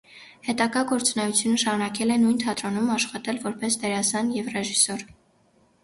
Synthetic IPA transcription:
hɛt̪ɑɡɑɡɔɾt͡sunɛjut͡sʰjunəʃɑɾunɑkɛlɛnujnt̪ʰɑt̪ɾɔnumɑʃχɑt̪ɛlvɔɾpɛsd̪ɛɾɑsɑnjɛvrɛʒisɔɾ

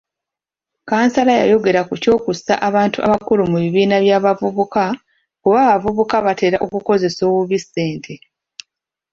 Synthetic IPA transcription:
kaːnsalaja̰jo̞ɡe̞ɾakuco̞ːkusa̰ʔaβaːntuʔaβakulumuβiβiːnaβjaːβavuβuka | kuβaːβavuβukaβate̞ɾaʔo̞kuko̞ze̞so̞ːβuβisːe̞ːntʰe

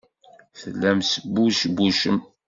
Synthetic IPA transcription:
θəlːæmsəbːuʃbːuʃəm

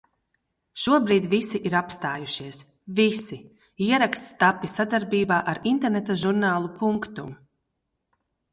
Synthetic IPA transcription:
ʃuɔbɾiːd̪visiʔiɾapst̪aːjuʃiɛs | visi | iɛɾakst̪st̪apːisad̪aɾbiːbaːʔaɾint̪ɛɾnet̪aʒuɾnaːlˠupuŋkt̪um

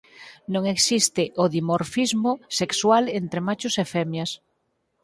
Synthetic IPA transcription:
nõŋeksist̪ɪʔoðimoɾfizmʊsekswalent̪ɾemat͡ʃʊsefɛmjɐs

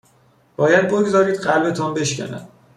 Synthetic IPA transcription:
b̥ɒːjæd̪̚boɡzɒːɾiːd̪ɢælbe̞t̪ʰɒːnbe̞ʃcʲæ̰næ̰d̪̥

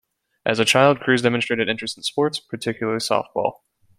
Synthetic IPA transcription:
ʔɨzɨt͡ʃʰaɪlˠd̚kʰɹ̥ʉzdɛmɨ̃nstɹ̥eɪɾɨɾɪ̃nt͡ʃɹ̥ɨstətspɔɹtspʰə˞tʰɪkʰjl̩ˠə˞lisɔ̰ft̚b̥ɔ̰lˠ

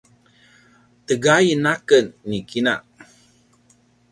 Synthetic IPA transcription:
təɡajnakənːikʰina̰ʔ

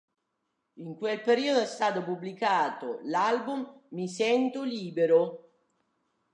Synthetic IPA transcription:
iŋkwelpeɾiːod̪oɛst̪aːt̪opubːlikaːt̪olalbumːisɛnt̪oliːbeɾo

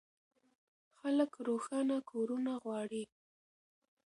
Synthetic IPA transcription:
xaləkɾoxɑnakʰoɾunaɣwɑɽi

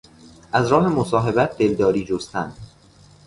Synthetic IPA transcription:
ʔæzɾɒːɦemosɒːɦe̞bæt̪̚ʰd̪eld̪ɒːɾiːd͡ʒost̪ænd̪̥

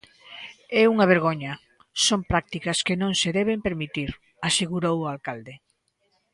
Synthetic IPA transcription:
ɛuŋɐβ̞eɾɣ̞oɲɐ | sompɾak̚t̪ikɐskenõŋseðɛβ̞empeɾmit̪iɾ | aseɣuɾowʊalkald̪e

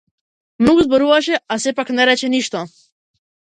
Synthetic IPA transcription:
mnoɡɔzbɔɾuvaʃɛasɛpaknɛɾɛt͡ʃɛniʃt̪ɔ

